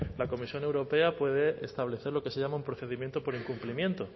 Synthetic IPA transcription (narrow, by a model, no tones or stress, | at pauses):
lako̞misjo̞ne̞wɾo̞pe̞apwe̞ð̞e̞ʔḛst̪aβ̞le̞θe̞ɾlo̞ke̞seʝamaũmpɾoθe̞ðimjent̪opo̞ɾiŋkumplimje̞nt̪o̞